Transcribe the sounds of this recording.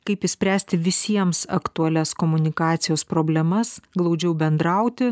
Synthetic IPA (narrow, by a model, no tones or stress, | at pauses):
kɐɪpɪsʲpʲɾʲæːsʲt̪ʲɪʋʲɪsʲiɛmsɐ̰kt̪uɐlʲɛskoːmʊnʲɪkɑːt̪sʲɪjoːspɾoːbʲlʲɛmɐsɡlˠɐʊd͡ʒʲɛʊbʲɛnd̪ɾɐʊt̪ʲɪ